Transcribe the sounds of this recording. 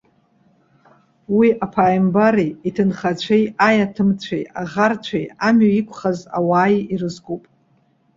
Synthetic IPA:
wiʔapʰaːjmbaɾiitʰɨnχat͡ɕʷʰejajatʰɨmt͡ɕʷʰḛjaʁart͡ɕʷʰejamɥaikʷʰʼχaza̰waːjirɨzɡopʼ

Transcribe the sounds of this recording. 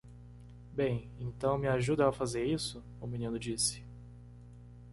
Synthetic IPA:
bẽj̃ | ẽnt̪ɐ̃w̃mɪaʒud̪ɐafazeɾisʊ | ʊminĩnʊd͡ʒisɪ̥

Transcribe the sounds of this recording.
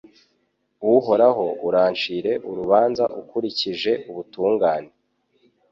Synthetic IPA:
wuɦo̞ɾaɦo̞uɾaːnt͡ʃiːɾe̞ʔuɾuβaːnzaʔukuɾiciʒe̞uβutuːŋɡaːne̞

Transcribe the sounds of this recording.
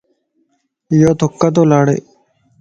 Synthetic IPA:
jot̪ʰokːat̪̬oːlaːɽḛː

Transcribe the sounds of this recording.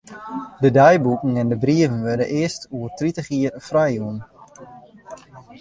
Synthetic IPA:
dədɛjbukŋ̩ɛndəbriəvənʋødənʔɪəstuərtritəχiərfrɛjuən

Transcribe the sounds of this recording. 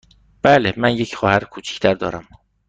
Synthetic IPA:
b̥æːlemænjecʰχɒːhæɾkʰuːt͡ʃʰi̥cʰt̪ʰæɾd̪ɒ̰ːɾæm

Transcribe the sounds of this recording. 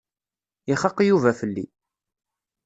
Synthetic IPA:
ɪχəqːjuvæfəlːḭ

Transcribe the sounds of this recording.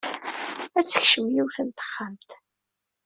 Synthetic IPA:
æt͡sːə̥çʃəmjiwθənt̪ə̥χːamt̪

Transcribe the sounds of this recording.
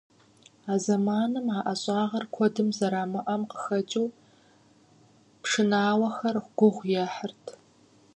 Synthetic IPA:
aːzɐmaːnɨmaːʔɐɕʼaːʁɐrkʷʰɔdɨmzɐɾaːmɐʔɐmqə̥xɐt͡ʃʼiw | pʂɨnaːwɐxɐrχʷɡ̥ʷʊʁʷjɛħərtʰ

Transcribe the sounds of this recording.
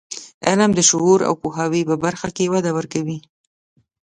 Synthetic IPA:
alamd̪əʃʊuɾa̰wpuɦɑwipəbaɾxakewad̪awəɾkawi

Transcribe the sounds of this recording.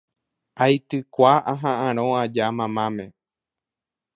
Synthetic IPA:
ajt̪ɨkʷaʔaɦãʔãɾ̃õad͡ʒamãmãmẽ̞

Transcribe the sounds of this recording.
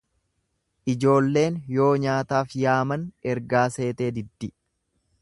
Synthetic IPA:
ʔɪd͡ʒo̞ːlːe̞ːnjo̞ːɲaːt̪aːfjaːmɐnɛɾɡaːse̞ːt̪e̞ːd̪ɪd̪ːɪ

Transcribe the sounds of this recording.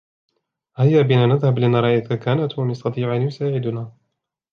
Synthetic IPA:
hajːaːbɪnaːnaðhablʔanːaɾˤɑːʔajkakaːnat̪wamjɑst̪ɑt̪ˤiːʕʔanjʊsaːʕɪd̪ʊnaː

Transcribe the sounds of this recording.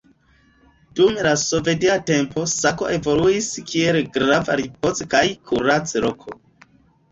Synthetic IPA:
d̥umlasove̞diate̞mpo̞sako̞ʔe̞vo̞luiskielɡɾavaɾipo̞t͡skajkʰuɾat͡sɾokʰo̞

